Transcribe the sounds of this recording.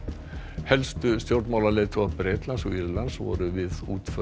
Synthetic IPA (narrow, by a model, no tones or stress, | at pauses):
hɛlst̪ʏst̪jowɾt̪mawlalɛːt̪ʰɔaðpɾeːt̪lansɔiɾlansvɔ̰ːɾʏvɪðuːt̪fœ